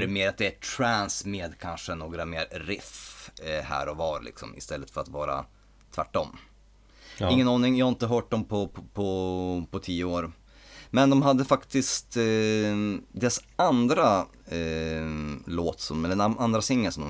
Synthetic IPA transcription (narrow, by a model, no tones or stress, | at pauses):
ɾmeːɾat̪̚d̪ɛæʈʰɾænsmeːd̪kʰanʂənoːɡɾameːɾɾɪf | hæ̰ːɾɔvɑːɾlʔɪ̰ksɔ̰mɪ̰st̪ɛlːət̪fœɾat̪vɑːɾa̰ | t̪ʰvæ̰ʈːɔmː | ɪŋːənɑːnɪŋjɑhaɪnt̪əɦœːʈ̚d̪ɔmpʰɔpʰɔpʰɔt̪ʰiːəoːɾ | mɛnd̪ɔmɦad̪ːəfakt̪ɪst̪ | d̪ɛs | and̪ɾa | loːt̪sɔmɛlːəand̪ɾasɪŋːəlsɔmd̪ɔm